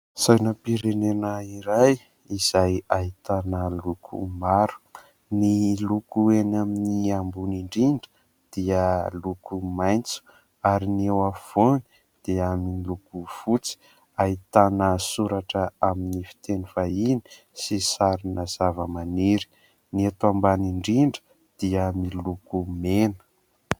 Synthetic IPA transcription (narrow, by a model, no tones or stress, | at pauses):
sajnəpiɾenenəiɾaj | iz̥ajait̪anəlukʰṵmaɾu̥ | nilukuenaminiambuniɳɖ͡ʐiɳɖ͡ʐə̥ | d̪̥iəlukumajnt͡su̥ | aɾiniewav̥oni̥ | d̪̥eamilukuv̥ut͡si̥ | aɦit̪anəsuɾaʈ͡ʂəaminifi̥t̪enifaini̥ | sisaɾinəz̥avəmaniɾi̥ | niet̪ambaniɳɖ͡ʐiɳɖ͡ʐə̥ | d̪̥iəmilukumenə̥